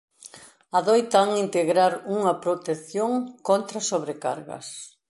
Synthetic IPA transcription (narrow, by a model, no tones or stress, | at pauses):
ɐðojt̪ɐaaŋint̪eɣɾaɾuŋɐpɾot̪eθjoŋkont̪ɾɐsoβɾeka̰ɾɣɐ̰s